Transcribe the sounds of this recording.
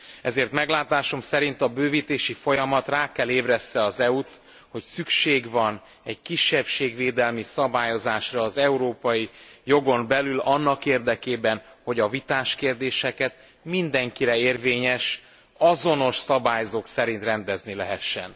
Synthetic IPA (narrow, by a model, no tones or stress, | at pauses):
ɛzeːrt̪mɛɡlaːt̪aːʃo̞msɛɾint̪ɒbøːviːt̪eːʃifo̞jɒmɒt̪raːkɛleːbrɛsːɛɒzɛut̪ | ho̞csykʃeːɡvɒn | ɛɟkiʃːɛpʃeːɡveːd̪ɛlmisɒbaːjo̞zaːʃrɒːzɛuɾoːpɒjijo̞ɡo̞mbɛlylɒnːɒkeːrd̪ɛkeːbɛnho̞ɟɒvit̪aːʃkeːrd̪eːʃɛkɛt̪ | mind̪ɛŋkiɾɛeːrveːɲɛʃ | ɒzo̞no̞ʃsɒbaːjzoːksɛɾint̪rɛnd̪ɛznilɛɦɛʃːɛ̰n